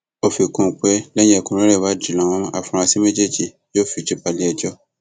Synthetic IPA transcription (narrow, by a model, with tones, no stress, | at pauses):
o˧fi˨kũ˧˨k͡pɛ˦lɛ˦j̃ɛ˦˨kũ˧ɾ̃ẽ˦ɾɛ˦˨wa˨˦di˨lã˨w̃ɔ̃˧˦a˧˨fũ˧ɾ̃ã˧si˦mẽ˦d͡ʒe˦˨d͡ʒi˨ | jo˦˨fi˧˨d͡ʒu˦pa˧li˨˦ɛ˨d͡ʒɔ˦